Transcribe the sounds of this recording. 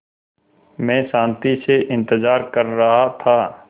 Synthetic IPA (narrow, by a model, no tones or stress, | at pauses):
mɛ̃ːʃãːnt̪iseʔɪ̃nt̪əzaːɾkɐɾːɐɦat̪ʰaː